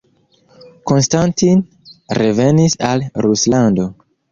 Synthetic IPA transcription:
ko̞nstantin | ɾe̞ve̞nisalɾuslando̞

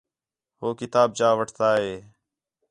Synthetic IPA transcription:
ɦoːkɪt̪aːb̚d͡ʒaːʋəʈʰt̪aːɦeː

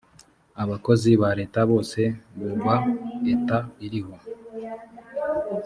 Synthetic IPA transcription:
aβako̞ziβaɾe̞ːtaβo̞ːse̞βoβaetaiɾiho̞

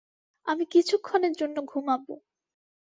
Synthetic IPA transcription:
amikit͡ɕʰukʰːoneɾd͡ʑonːoɡʱumabo̰

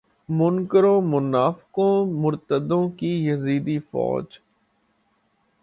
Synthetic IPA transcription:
mʊnkəɾõːmʊnaːfɪkõːmʊɾt̪əd̪õːkijɐziːd̪ifɔ̰ːd͡ʒ

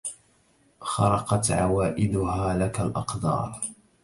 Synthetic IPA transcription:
xɑɾˤɑqɑt̪ʕawaːʔɪd̪ʊhaːlakalʔɑqd̪ɑ̰ːɾˤ

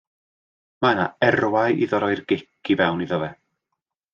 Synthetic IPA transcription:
mana̰ɛrwajḭðɔɾɔɨrɡɪk̚ʰivɛwniðɔvɛ

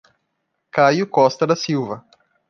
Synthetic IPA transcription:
kajʊkɔst̪ɐd̪ɐsiwvɐ

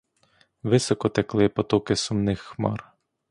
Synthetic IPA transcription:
ʋɪsɔkɔt̪eklˠɪpɔt̪ɔkɪsʊmnɪxːmɑ̰r

